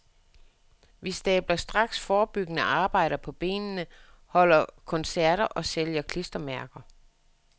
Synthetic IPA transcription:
ʋisd̥ɛːb̥lɐsd̥ʁɑ̈ɡ̥sfɒːb̥yɡ̥ənəʔɑ̈ːb̥ɑ̈ɪ̰ɾ̥ɐpʰɒ̽b̥e̝̰ːnnəhɒ̽l̰ɐkʰɒ̽nsæɐ̰ɾ̥ɐʔɒ̽seljɐkʰlisd̥ɐmæɐɡ̥ɐ

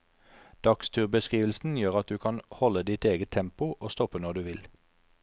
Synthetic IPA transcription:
d̪̥ɑkst̪ʰyːʁbəskʁiːʋəl̩sn̩jøːʁɑt̪̚d̪ʉːkʰɑnhɔləd̪ɪt̪eːɡət̪ʰɛmpʊʔoːst̪ɔpənɔʁd̪ʉːʋɪl

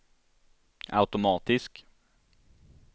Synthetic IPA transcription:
a̰ʉt̪ʊmɑːt̪ɪsk

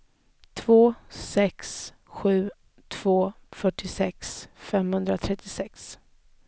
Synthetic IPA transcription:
t̪ʰvoːsɛks | ɧʉ̟ː | t̪ʰv̥oːfœʈːɪsɛksfɛmhɵnd̪ɾat̪ʰɾɛt̪ːɪsɛks

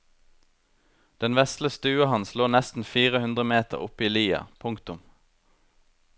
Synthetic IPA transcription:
d̪̥ɛnʋɛst̪ləst̪ʉːɑhɑnsloːnɛst̪n̩fiːʁəhʉnd̪ʁəmeːt̪ə̰ʁʊpiːliːɑ̰pʰʊŋkt̪ʊm

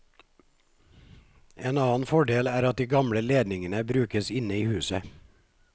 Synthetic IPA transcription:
eːnɑːn̩fɔɖeːlæːɾɑt̪̚d̪iːɡɑmɽəleːd̪nɪŋənəbɾʉːkəsɪnəiːhʉːsə

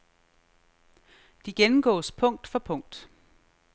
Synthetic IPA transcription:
d̥iɡ̥enm̩ɡ̥ɒ̰ːspʰɔ̽ŋ̰d̥fɒ̽pʰɔ̽ŋ̰d̥

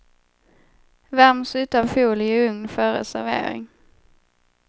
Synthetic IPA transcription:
vɛɾmsʉ̟ːt̪avfuːlɪɵŋnfœːɾə̰sæɾvḛːɾɪ̰ŋ

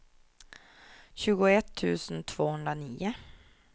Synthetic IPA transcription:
ɕʉ̟ːɡʊɛt̪ʰːʉ̟̰ːsnt̪ʰv̥oːhɵnd̪ɾaniːʊ

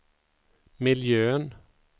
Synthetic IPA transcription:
mɪljøːən

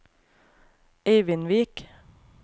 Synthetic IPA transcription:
eɪʋɪnʋiːk

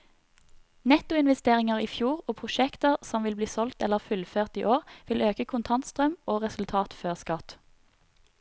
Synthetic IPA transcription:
nɛt̪ʊɪnʋɛst̪eːʁɪŋəʁiːfjuːʁoːpʰʁʊʃɛkt̪əʁsɔmʋɪlbliːsɔlt̪ɛləʁfʉlføːʁt̪iːʔoːʁʋɪløːkəkʰʊnt̪ʰɑnt̪st̪ʁœmoːʁɛsʉlt̪ʰɑːt̪føːʁskɑt̪

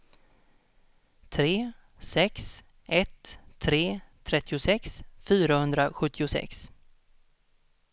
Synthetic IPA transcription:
t̪ʰɾeː | sɛks | ʔɛt̪ʰːɾeːt̪ʰɾɛt̪ːɪʊsɛksfyːɾahɵnd̪ɾaɧɵt̪ʰːɪʊsɛ̰ks

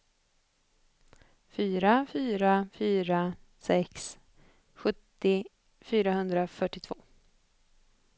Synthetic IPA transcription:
fyːɾafyːɾafyːɾasɛks | ɧɵt̪ːɪ | fyːɾaɦɵnd̪ɾafœʈːɪt̪ʰvoː

